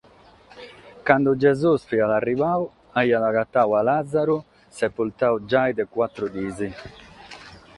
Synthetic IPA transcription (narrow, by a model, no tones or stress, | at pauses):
kand̪ud͡ʒɛzusfialarːivaːw | ajːalakat̪ːawalad̪zːaɾu | sɛpːult̪awd͡ʒajd̪ɛkwat̪ːɾud̪iːzi